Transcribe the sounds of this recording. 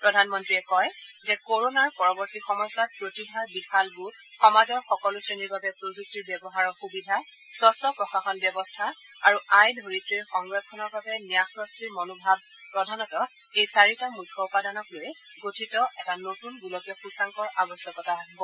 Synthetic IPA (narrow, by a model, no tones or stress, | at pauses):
pɹɔdʱanmɔntɹiɛkɔjzɛkoɹonaɹpɔɹɔbɔɹtixɔmɔsat̚pɹotibʱaɹbixalɡu | xɔmazɔɹxɔkɔlusɹeniɹbabɛpɹozuk̚tiɹbjɛbɔɦaɹɔxubidʱa | swasɔpɹɔxaxɔnbjɔbɔstʰaaɹuajdʱoɹitɹiɹxɔŋɡɹɔtʰɔnɔɹbabɛnijaxɹɔk̚tɹiɹmɔnobʱab̚ | pɹɔdʱanɔtɔ | ejsaɹitamukʰːɔupadanɔklojɛ | ɡotʰitɔʔɛtanotunbulɔkɔxusaŋkɔɹabɔsjɔkɔtaɦibɔ